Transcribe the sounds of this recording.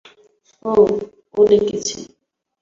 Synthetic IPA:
o | olekit͡ɕʰḭ

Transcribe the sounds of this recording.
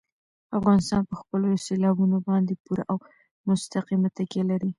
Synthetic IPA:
afɣɑnɪst̪ɑnpəxpəloselɑbunobɑnd̪epuɾa̰ʔaw | mʊst̪aqimat̪akelaɾi

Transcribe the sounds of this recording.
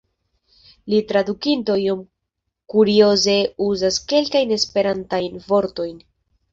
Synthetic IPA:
litɾadukinto̞jom | kuɾio̞ze̞uzaske̞lkajne̞spe̞ɾantajnvo̞ɾto̞jn

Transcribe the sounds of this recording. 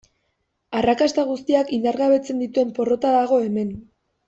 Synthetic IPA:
arakast̪aɣ̞ust̪iakind̪aɾɣaβe̞t͡se̞nd̪it̪ue̞mpo̞ro̞t̪aðaɣ̞o̞e̞me̞n

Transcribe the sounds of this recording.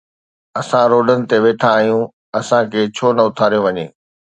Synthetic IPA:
ɐsãɾoːɖənɪ̆t̪eʋeːʈʰãːɦijũ | ɐsãkʰeːt͡ɕʰoːnɐʊt̪ʰaːɾijõʋɐɲeː

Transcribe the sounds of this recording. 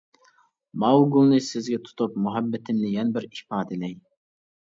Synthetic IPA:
mɑwɡʊlˠnɪsɪzɡʲɛt̪ʰʊ̥t̪ʰʊp̚mʊɦabːɪt̪ʰɪnlɪjanbɪɾɪhpɑːd̪ɪlɛj

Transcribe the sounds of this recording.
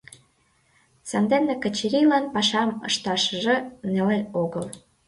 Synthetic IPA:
sɑnd̪enːekə̆t͡ɕiɾʲilɑnpɑʃɑmɤ̰ʃt̪ɑʃə̆ʒĕneleoɣəl

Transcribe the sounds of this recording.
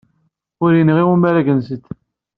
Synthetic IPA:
ʊɾinəʁiwumæɾæɡənsət̪ː

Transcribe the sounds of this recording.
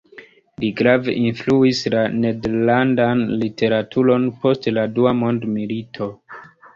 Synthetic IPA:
liɡɾavḛʔinfluislane̞deɾlandanlitʰe̞ɾatʰuɾo̞npo̞stladuamo̞ndmilitʰo̞

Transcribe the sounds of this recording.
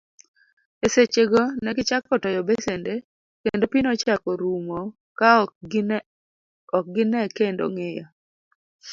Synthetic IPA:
eset͡ʃeɡɔnɛɡɪt͡ʃakːɔtɔjɔbesende | kendopinɔt͡ʃakɔɾumo | ka | ɔk̚ɡɪnɛkendo̰ŋeja

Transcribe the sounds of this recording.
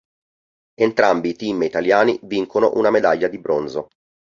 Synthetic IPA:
ent̪ɾambiːt̪imit̪aljaːniviŋkono̰ʔunamed̪aʎːad̪ibɾonzo

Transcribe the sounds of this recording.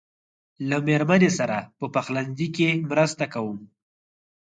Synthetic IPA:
lameɾmanesaɾapəpaxland̪ikemɾəst̪akawum

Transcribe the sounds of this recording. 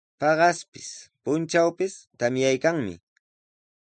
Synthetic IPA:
pɑɢɑspɪ̥spʊnt͡ʃawpɪst̪amjajkaŋmɪ̰

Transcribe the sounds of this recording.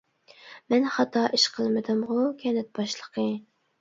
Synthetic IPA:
mɛnχɑt̪ɑːʔiʃqʰəlˠmɨd̪ɨmʁʊkʲʰɛnɛt̪̚bɑʃlˠəqʰə

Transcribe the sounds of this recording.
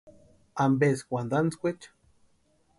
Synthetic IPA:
ambeskʷand̪ant͡skʷet͡ʃḁ

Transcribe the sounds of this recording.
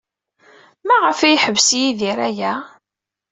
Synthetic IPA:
mæʁəfæjħəvsjiðiɾæjæ

